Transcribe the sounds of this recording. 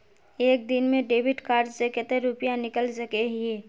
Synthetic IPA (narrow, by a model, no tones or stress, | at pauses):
eːk̚d̪ɪnmẽɖeːbɪʈkaːɾd͡ʒsekət̪eɾupjanɪkəlsəkeɦɦeː